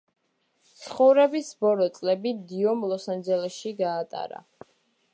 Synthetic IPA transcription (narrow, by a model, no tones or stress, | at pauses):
t̪sʰχɔvɾɛbisbɔlɔt̪sʼlɛbid̪iɔmlˠɔsand͡ʒɛlɛsʃiɡaːt̪ʼa̰ɾa̰